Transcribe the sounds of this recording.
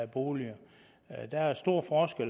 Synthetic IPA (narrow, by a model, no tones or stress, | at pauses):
æb̥o̝ːliɐ | d̥æsd̥o̝ɐ̰fɒːsɡ̥el